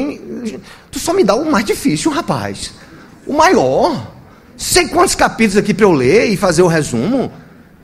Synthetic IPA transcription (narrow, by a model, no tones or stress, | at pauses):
j̃ | t̪usɔmid̪aʊmajzd͡ʒifisjuʊɦapa̰js | ʊmajɔɾ | sejkwɐ̃nt̪ʊskapit̪lʊzakipɾɐewleɪfazeɾʊɦezṵ̃mʊ